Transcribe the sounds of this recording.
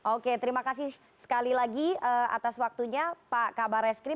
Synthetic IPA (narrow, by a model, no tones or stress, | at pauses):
ʔoket̪əɾimakasɪ | sə̥kalilaɡiəa̰t̪aswak̚t̪uɲapakabaɾɛskɾɪ